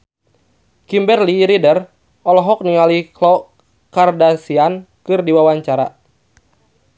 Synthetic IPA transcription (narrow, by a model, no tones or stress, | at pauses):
kimbɛrliɾidər | ɔlɔɦɔk̚niŋaliklɔ | kardasian | kɨrdiwawaɲt͡ʃaɾa̰